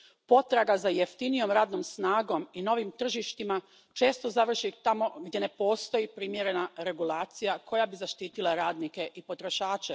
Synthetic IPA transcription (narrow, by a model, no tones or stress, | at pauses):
po̞t̪ɾaɡazajeft̪inijo̞mɾaːd̪nomsnaːɡo̞mino̞ʋimt̪r̩ʒiʃt̪ima | t͡ʃe̞ːst̪o̞zaʋr̩ʃit̪amo̞ɡd̪je̞ne̞po̞ːst̪o̞jipɾimje̞ɾe̞naɾe̞ɡulaːt̪sijakʰo̞jabizaʃt̪iːt̪ilˠaɾaːd̪nike̞ʔipo̞t̪ɾo̞ʃaːt͡ʃe